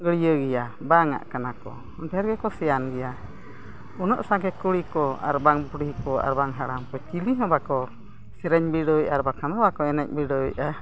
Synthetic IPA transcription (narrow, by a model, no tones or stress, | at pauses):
ɡəɽijəɡɛjabaŋa̰ʔkanakɔ̰ | ɔnpɛaɾɡɛkɔsɛjanɡɛja | ɔnɔʔsaɡɛkuɽikɔa̰ɾbaŋpuɽikɔa̰ɾbaŋɦaɽamkɔt͡ʃiliɦɔ̃bakɔ | sɛɾɛɲbiɽɔjʔaɾbakanɔbakɔɛnɛc̚biɖɔjʔa